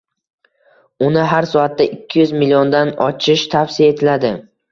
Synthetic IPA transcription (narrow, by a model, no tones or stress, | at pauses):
ʊnɪɦaɾsɒat̪̚ːaʔɪkʲʰːɪjʊzmɪliond̪anɒt͡ʃʰɪʃt̪ʰafsɪiae̞t̪ʰɪlad̪ɪ